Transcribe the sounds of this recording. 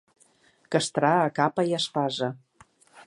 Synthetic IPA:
kə̆ʃt̪ɾɑːkɑpɑjɑʃpɑʒɤ̆

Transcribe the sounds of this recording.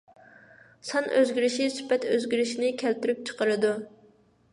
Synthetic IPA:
sɑnʔø̰zɡʲiɾɪʃisy̥pɛt̪øzɡʲiɾɪʃinɪkʲʰælt̪yɾyp̚t͡ʃʰə̥qəɾɨd̪u

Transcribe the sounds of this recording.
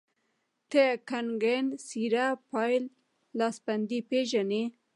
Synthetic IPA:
t̪ʰekanɡensiɾapʰɑjlː | ɑsband̪ipeʒane

